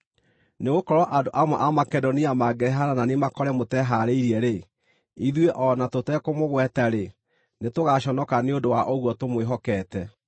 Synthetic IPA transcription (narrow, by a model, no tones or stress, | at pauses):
neɣokɔɾɔʔadoʔamwɛʔamakɛdoniamaɡɛɾɛɦaɾananemakɔɾɛmotɛɦaɾeiɾiɛɾe | iðweʔɔnatotɛkomoɣwɛtaɾe | netoɣaɕɔnɔkaneodowaʔoɣwɔtomweɦɔkɛːtɛ